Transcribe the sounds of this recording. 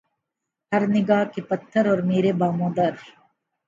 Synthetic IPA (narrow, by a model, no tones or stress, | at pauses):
hɐɾnɪɡaːɦkipɐt̪ʰːəɾɔːɾmeːɾebaːmõːd̪ɐɾ